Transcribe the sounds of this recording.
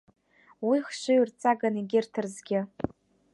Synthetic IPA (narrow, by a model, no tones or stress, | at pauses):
wiχʃʷɨɥrt͡sʼaɡaniɡʲɪrtʰɨrzɡʲɪ